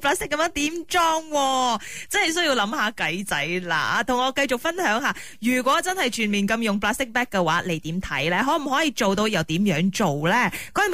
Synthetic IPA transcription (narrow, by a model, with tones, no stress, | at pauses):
plaː˥st̪ɪ˥kːɐ˨˧mjœː˨˥ŋt̪iː˨˥mt͡ʃɔː˥ŋwɔː˧t͡sɐ˥nhɐ˨˩js̬ɵ˥ɥji˧wlɐ˨˥mɦaː˨˧kɐ˨˥jt͡sɐ˨˥jla̰ː˧t̪ʰʊ˨˩ŋɔː˨˧kɐ˧jt͡ʃʊ˨k̚fɐ˥nhœː˨˥ŋɦaː˨˧ | jyː˨˩kwɔː˨˥t͡sɐ˥nhɐ˨jt͡ʃʰyː˨˩nmiː˨˩nkɐ˧mjʊ˨ŋplaː˥st̪ɪ˥k̚pɛː˥k̚kːɛ˧waː˨˥le˨jt̪iː˨˥mt̪ʰɐ̰˨˥jlɛː˥ɦɔː˨˥m̩˨˩ɦɔː˨˥jiː˧t͡ʃo˨wt̪o˧wjɐ˨˧wt̪iː˨˥mjœː˨˥ŋt͡ʃo˨˩wlɛː˥kɔː˨˥˨